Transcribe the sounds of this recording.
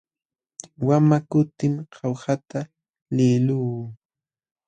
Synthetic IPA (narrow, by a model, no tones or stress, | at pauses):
wamakʊt̪ɪmqʰɑwsat̪a | lɪluː